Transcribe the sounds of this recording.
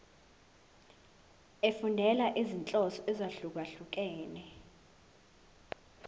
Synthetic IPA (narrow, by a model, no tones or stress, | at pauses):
efundʱɛlaʔizint͡ɬʼɔsɔʔɛzaɬuk̬aɬuk̬ɛːnɛ